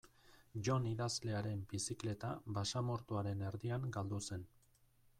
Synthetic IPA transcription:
ʝo̞niðazle̞aɾe̞mbisikle̞t̪aβasamo̞ɾt̪uaɾe̞ne̞ɾðiaŋɡald̪use̞n

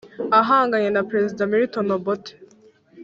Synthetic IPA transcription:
aɦaːŋɡaɲenapɾezidamiɾitonobote̥

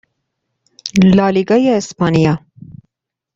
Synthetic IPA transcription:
lɑliɡajaɪspɑnija

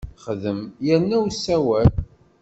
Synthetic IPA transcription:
χðəmjænːæwsːæwæl

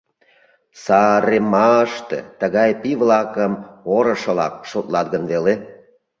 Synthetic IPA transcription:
sɑɾemɑəʃt̪ḛt̪əɣɑjpiβlɑkəmoɾəʃə̆lɑ̰k̚ʃot̪lɑt̪ɣənβele

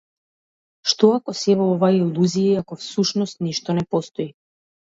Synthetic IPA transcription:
ʃt̪ɔakɔsɛvɔɔvailˠuziaakɔfsuʃnɔst̪niʃt̪ɔnɛpɔst̪ɔi

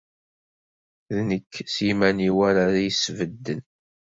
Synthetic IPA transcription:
ðnəkːsimæniwæɾaɾajəsvəd̪ːən

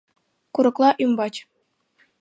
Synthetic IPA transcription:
kuɾɤ̆klˠɑʔymbɑt͡ɕʲ

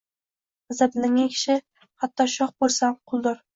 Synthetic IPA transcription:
azablɪŋːʲakʲʰɪ̥ʃɪ | hat̪ːɒʃɒχbolˠsamqʰʊlˠd̪ɒɾ

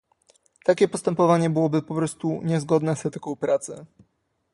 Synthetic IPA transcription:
t̪akʲɛpɔst̪ɛmpɔvaɲɛbɘwɔbɘpɔpɾɔst̪uɲɛzɡɔd̪nɛsɛt̪ɘkɔ̃wpɾat̪sɛ̰

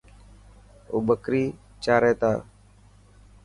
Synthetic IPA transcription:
oːbəkɾiː | t͡ʃaːɾeːt̪a̰ː

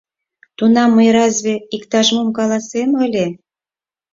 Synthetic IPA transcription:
t̪unɑmːəjɾɑzʲβʲeikt̪ɑʒmomkɑlɑseməlʲe

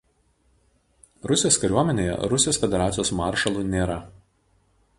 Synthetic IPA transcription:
ɾʊsʲɪjoːskɐɾʲuɔmʲɛnʲeːjɛ̰ɾʊsʲɪjoːsfʲɛd̪ʲɛɾɑːjoːsmɑːɾʃɐlˠuːˑnʲeːɾɐ

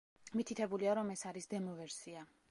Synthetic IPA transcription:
mit̪ʰit̪ʰɛbuliaɾɔmɛsaɾisd̪ɛmɔvɛɾsia

